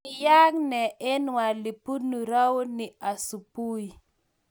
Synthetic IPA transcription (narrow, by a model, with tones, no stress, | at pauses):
ja˦ŋnɛ˨e˦nwa˨li˨pu˦nu˨ɾa˦wo˦ni˨a˨su˨pu˦i˨